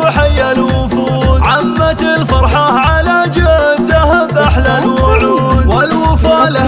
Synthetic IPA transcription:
ħajːalwʊfuːd̪ʕamːalfɑɾˤħɑhʕalad͡ʒad̪aɦaðaħlalwʕuːd̪walwʊfaːl

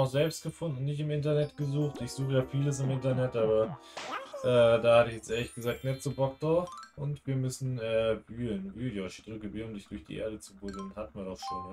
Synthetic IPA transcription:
aʊxz̥ɛlpst̚ɡ̥əfʊndn̩n̩nɪçtɪmɪntɐnɛtɡ̥əzuːxtɪçz̥uːxəjaːfiːləs̬ɪmɪntɐnɛtʔaːbɐ | ʔɛːdaːhatəɪçjɛt͡sʔeːɐlɪçɡ̥əzaːk̚tnɛtt͡subɔk̚d̥ʁaʊfʊntv̥iːɐmʏsn̩ɛːb̥yːlənvyːjɔʃd̥ʁʏkəbyːlʊmdɪçd̥ʊɐçd̥ḭːʔḛːɐdət͡subʊdl̩nhatmiːɐdɔχʃo̰ːnə

